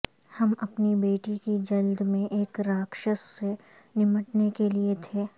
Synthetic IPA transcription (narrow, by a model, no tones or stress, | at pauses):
hɐmɐpnibeːʈikid͡ʒɐld̪mẽʔeːkɾaːkʃəsːe | nɪməʈnekeliet̪ʰeː